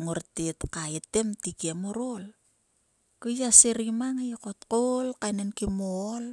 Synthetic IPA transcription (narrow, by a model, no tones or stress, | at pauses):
ŋoɾtetkaetemtikemoɾol | kojaseɾimaŋajkotkolkajnenkimol